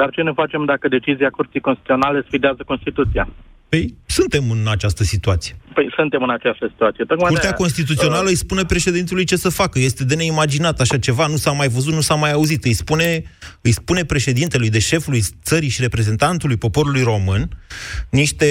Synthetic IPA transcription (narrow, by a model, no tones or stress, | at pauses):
d̪̥art͡ʃe̞nefat͡ʃe̞md̪akəd̪e̞t͡ʃiziakuɾt̪sijkonst̪it̪io̞nale̞sfid̪eazəko̞nst̪it̪ut̪sia̰ | pəjsunt̪e̞mɨnat͡ʃast̪əsit̪uat̪sije̞pəjsɨnt̪e̞mɨnat͡ʃast̪əsi̥t̪uat̪sijep̪okmkuɾrt̪eɛako̞ns̬t̪it̪ut̪sio̞naləɨjspune̞pɾe̞ʃe̞d̪int̪elujt͡ʃe̞səfakəje̞st̪e̞d̪e̞ne̞imad͡ʒinat̪aʃat͡ʃe̞vanusamajvəzut̪nusamajauzit̪ɨjspune̞ɨjspune̞pɾe̞ʃe̞d̪int̪e̞lujd̪e̞ʃe̞fulujt̪səɾiʃiɾe̞pɾe̞ze̞nt̪ant̪ulujpo̞po̞ɾulujro̞mɨnniʃt̪e̞